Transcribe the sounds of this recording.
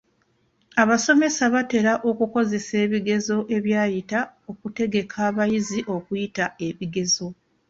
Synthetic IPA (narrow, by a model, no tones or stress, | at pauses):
aβaso̞me̞saβate̞ɾaʔo̞kuko̞ze̞se̞ːβiɡe̞zo̞ʔeβjaːjitao̞kute̞ɡe̞kʰaːβajiziʔo̞kujitae̞βiɡe̞zo̞